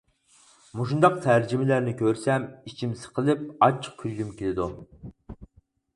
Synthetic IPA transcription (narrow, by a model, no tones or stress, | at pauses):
muʃund̪ɑq̚t̪ʰæɾd͡ʒimɪlæɾnɪkʲʰøɾsɛmit͡ʃʰimsə̥qʰəlˠɪp̚ɑt͡ʃʰːə̥q̚kʲʰylɡʲymkʲelɪd̪u